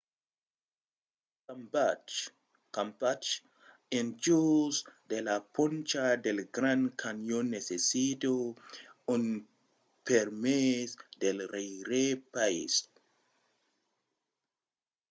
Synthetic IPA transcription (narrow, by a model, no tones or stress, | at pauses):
kambat͡ʃ | kampat͡ʃ | end͡ʒusd̪elapont͡ʃad̪elɡɾãnkʰanjonːesesit̪o | un | peɾmesd̪elrejɾepaḭs